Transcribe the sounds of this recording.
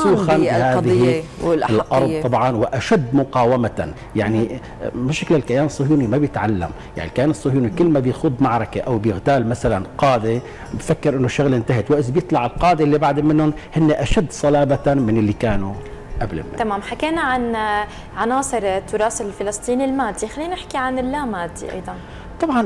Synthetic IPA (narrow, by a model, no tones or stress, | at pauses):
sˤuːxanɪhaːd̪ðɪhlɪlʔɑɾˤd̪ˤt̪ˤɑbʕɑnwɪʔaʃad̪ːmʊqɑːwama | jaʕni | mɪʃaklɪlkajaːnɨsˤːʊhjuːnimabjɪt̪ʕalːa̰m | ja̰ʕnilkːajaːnɨsˤːʊhjuːnikɪlːmabjɪxʊd̪ˤmaʕɾˤɑkeʔawbjɪɣt̪aːlmasalanqɑːd̪e | bfakːɪɾʔɪnːoʃːʊɣlʔɪnt̪aɦɪt̪waʔsbjɨt̪ˤlɑʕɪlqɑːd̪eʔlːibaʕd̪ɪmːɪnːʊn | hɪnːeʔaʃad̪ːsˤɑlɑːbamɪnɪlːikaːnu | ʔablɪ̰mːɪ̰t̪amaːmħakeːnaʕan | ʕanɑːsˤɨɾt̪ːʊɾˤɑːsɪlfɪlɨst̪ˤiːnilmaːd̪ːixalːiːnʔɪħkiʕanɪlːaːmaːd̪ːḭʔɑ̰jd̪ˤɑn | t̪ˤɑbʕɑn